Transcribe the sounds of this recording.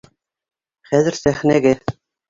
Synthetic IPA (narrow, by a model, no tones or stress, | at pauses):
χæðɘ̆ɾsæχnæɡæ